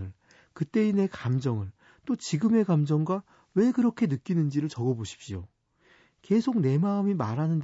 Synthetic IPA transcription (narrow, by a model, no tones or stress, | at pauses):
ɯɭ | kɯt͈e̞ine̞kamd͡ʑʌŋɯɭ | t͈ot͡ɕiɡɯme̞kamd͡ʑʌŋɡwa | we̞kɯɾʌkʰe̞nɯk͈inɯnd͡ʑiɾɯɭt͡ɕʌɡʌboɕʰi̥p̚ɕ͈io | ke̞sʰoɡ̚ne̞maɯmimaɾɦanɯnd